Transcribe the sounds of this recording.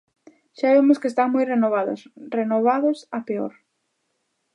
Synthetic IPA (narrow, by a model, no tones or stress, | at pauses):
ʃaβemʊskest̪aŋmujrenoβaðʊ̰srenoβ̞aðʊsapeo̰ɾ